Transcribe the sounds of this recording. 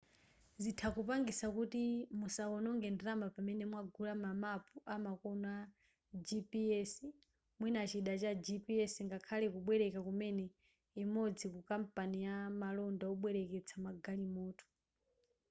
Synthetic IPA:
zitʰakupaŋɡisakutimusaɔnɔŋɡɛndiɾambapamɛnɛmwaɡulamamapʰuʔamakɔnɔa | d͡ʒipiɛsi | mwinat͡ʃiɗat͡ʃad͡ʒipiɛsiŋɡakʰalɛkuɓwɛɾɛkakumɛnɛ | imɔd͡zikukampanijamalɔndaɔɓwɛɾɛkɛt͡sʰamaɡalimɔːtʰu̥

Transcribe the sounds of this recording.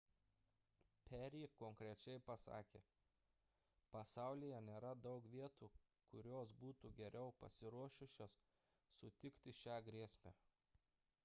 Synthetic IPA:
pʲʰɛɾʲiːkoŋkɾʲɛt͡ʃʲɛɪpɐsɑ̰ːkʲḛː | pɐsɑˑʊlʲijɛnʲeːɾɐd̪ɒʊkʋʲiɛt̪uː | kʊɾʲoːsbuːt̪uːɡʲɛɾʲɛʊpɐ̰sʲɪɾuɔʃʲʊsʲoːsː | ʊt̪ʲɪkt̪ʲɪʃʲæːɡɾʲiɛsʲmʲæ̰ː

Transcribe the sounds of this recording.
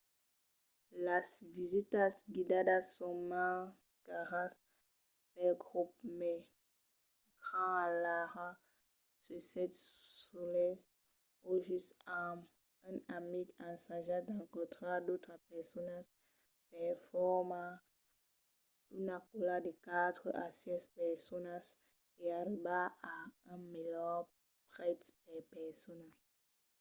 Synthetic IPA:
lasvizit̪asɡid̪ad̪asɔma | kaʁas | pɛlɡʁup̚mɛ | ɡʁalaʁa | sysɛt̪solɛ | oʒysam | ɛ̃namiɡãsaʒad̪ãŋkɔ̃t̪ʁad̪ot̪χapɛʁsɔnas | pɛʁfɔʁmã | ynakulad̪ekat̪χəʔasjɛspɛʁsɔnas | eaɾibaaɛ̃melɔ | pʁɛt̪pɛpɛʁsɔnal

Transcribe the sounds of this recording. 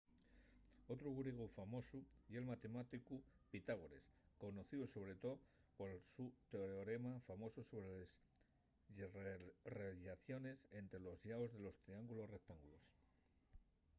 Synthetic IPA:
o̞t̪ɾuɣuɾiɣ̞ufamo̞suie̞lmat̪e̞mat̪ikupit̪aɣ̞oɾe̞̰sko̞noθiuso̞β̞ɾe̞t̪oðpolsut̪eoɾeoɾe̞mafamo̞suso̞βɾeles | reʎaθjo̞ne̞se̞nt̪ɾe̞lo̞zʎaozðe̞lo̞st̪ɾiaŋɡulo̞sre̞k̚t̪aŋɡulos

